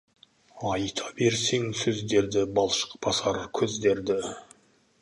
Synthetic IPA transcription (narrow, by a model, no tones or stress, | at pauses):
ɑjt̪ʰɑbe̞ɾse̞ŋsɵzd̪e̞ɾd̪ɪbɑlˠʃə̥q̚bɑsɑɾkʲʰɵzd̪e̞ɾd̪ɪ